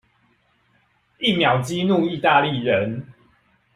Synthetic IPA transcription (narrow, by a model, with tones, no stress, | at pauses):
i˥˨mja˨˩ʊt͡ɕi˦nu˥˨i˥˧t̪a˥˧li˥˨ɻə˨˦n